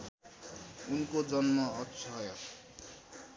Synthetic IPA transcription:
unkod͡zʌnmʌʌkt͡sʰʌɦʌjo

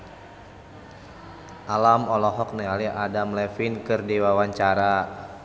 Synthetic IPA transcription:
ʔalamɔlɔɦɔk̚nɛaliadamlɛfinkɨrdiwawaɲt͡ʃaɾa

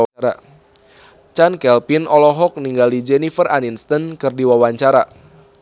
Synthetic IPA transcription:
ɾa | t͡ʃankɛlpinɔlɔɦɔk̚niŋɡalid͡ʒɛnifəraninst̪ənkɨrdiwawaɲt͡ʃaɾa

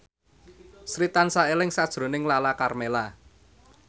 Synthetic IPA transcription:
sɾit̪ansaelɪŋsad̥ʒ̥ɾo̤nɪŋlalakarmela

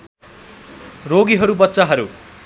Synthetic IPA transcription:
roɡiɦʌɾubʌt̪ːsaɦʌɾu

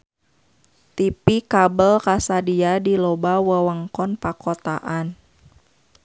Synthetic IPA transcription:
t̪ipikabəlkasadiadilɔbawəwəŋkɔnpakɔt̪a̰ʔan

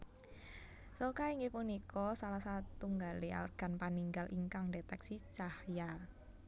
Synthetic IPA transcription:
sokaiŋɡepunikɔsalahsat̪uŋɡalea̰ɔ̰rɡ̥a̤npaniŋɡalʔḭŋkaŋɖet̪ɛksit͡ʃahja

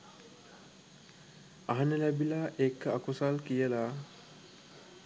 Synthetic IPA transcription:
aɦanəlæbilaʔekːəakusalkijəla

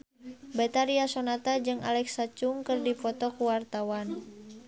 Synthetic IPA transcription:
bɛt̪aɾiasonat̪ad͡ʒɨŋʔa̰lɛksat͡ʃuŋkɨrdipɔt̪ɔkuwart̪awan

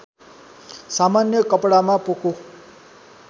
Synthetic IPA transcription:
samanjʌkʌpɽamapoko

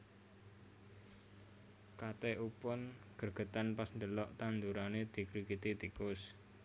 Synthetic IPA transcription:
kat̪eʔupɔnɡ̥ə̤rɡ̥ə̤t̪anpasnd̪əlɔʔt̪and̪uɾaned̪̥i̤kɾikit̪it̪ikʊs

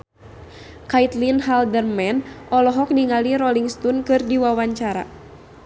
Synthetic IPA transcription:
kait̪linɦaldərmɛnʔɔlɔɦɔk̚niŋaliɾɔliŋst̪unkɨrdiwawaɲt͡ʃaɾa̰

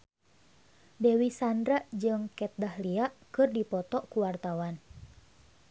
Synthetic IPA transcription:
bɛwisandɾaʔd͡ʒɨŋkɛt̪̚dahliaʔkɨrdipɔt̪ɔʔkuwart̪awan

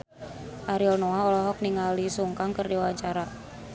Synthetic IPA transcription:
ʔaɾiɔlnɔaɔlɔɦɔk̚niŋalisuŋkaŋkərdiwawaɲt͡ʃaɾa

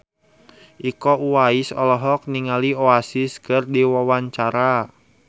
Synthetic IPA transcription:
ʔikɔuwaisɔlɔɦɔk̚niŋalioasɪskɨrdiwawaɲt͡ʃaɾa

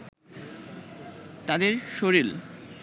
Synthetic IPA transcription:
t̪ad̪eɾʃoɾil

